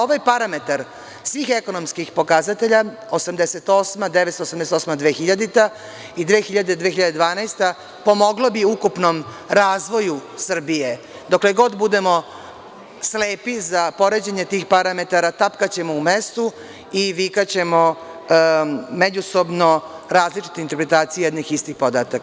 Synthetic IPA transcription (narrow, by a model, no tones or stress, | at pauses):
o̞ʋajpaɾame̞t̪aɾ | sʋiːxe̞ko̞nomskixpo̞kazat̪e̞ʎa | osamd̪eset̪o̞smad̪eʋet̪st̪osamd̪eset̪osmad̪ʋeːxiʎad̪it̪a | id̪ʋeːxiʎad̪e̞d̪ʋeːxiʎad̪ed̪ʋaːnajst̪a | po̞mo̞ɡlobiukupnom | ɾaːzʋo̞jusr̩bije̞ | d̪okleɡo̞d̪bud̪e̞mo̞ | sleːpizapo̞ɾe̞d͡ʑeɲe̞t̪iːxpaɾame̞t̪aɾat̪apkat͡ɕe̞moumest̪u | iʋikat͡ɕe̞mo | med͡ʑuso̞bno̞ | ɾaːzlit͡ʂi̥t̪eint̪eɾpɾe̞t̪aːt̪sijejɛd̪nixist̪ixpod̪aːt̪ak